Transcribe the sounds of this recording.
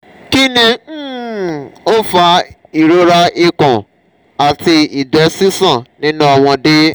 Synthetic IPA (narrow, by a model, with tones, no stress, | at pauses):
ki˦nĩ˧˦ | o˦fa˧˦ | i˨ɾo˦ɾa˦ʔi˧kɔ̃˨ | a˨ti˧i˨dɛ˨˦si˦sã˦˨nĩ˦nũ˦ɔ˧w̃ɔ̃˧de˦